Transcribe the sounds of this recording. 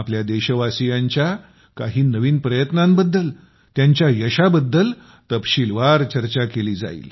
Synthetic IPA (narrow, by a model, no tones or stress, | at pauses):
apljad̪eɕəʋasijaɲt͡ɕja | kaɦiːnəʋiːnpɾəjət̪nãmbəd̪ːəl | t̪jaɲt͡ɕjajəɕabəd̪ːəl | t̪əpɕilʋaɾt͡ɕəɾt͡ɕakeliːd͡za̰ḭːl